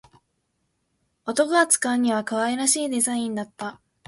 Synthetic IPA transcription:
o̞t̪o̞koat͡sɨ̥kãɲ̟ːiβ̞akaβaeɾaɕiːd̪e̞zaĩnd̪at̪ːa

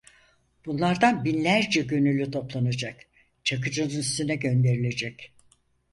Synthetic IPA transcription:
b̥unlˠaɾd̪anbinlʲæɾd͡ʒɛɟø̞nylʲyt̪ʰo̞plˠanad͡ʒak | t͡ʃʰak̬ɯd͡ʒɯnɯnist̪ynɛɟø̞nd̪e̞ɾilʲe̞d͡ʒɛc

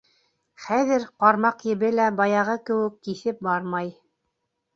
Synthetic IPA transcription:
χæðɘɾqɑɾmɑqjɘ̆βɘlæbɑjɑʁɤkɘ̆wɘ̆kːiθɘp̚bɑɾmɑj

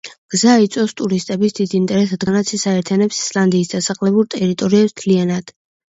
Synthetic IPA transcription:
ɡ̥zait̪sʼɔst̪ʼuɾist̪ʼɛbisd̪id̪iːnt̪ʼɛɾɛsad̪ɡanat̪sʰisaɛɾt̪ʰianɛpsi̥slˠand̪iːsd̪asaχlɛbuɾt̪ʼɛɾit̪ʼɔɾiɛst̪ʰlianad̪̥

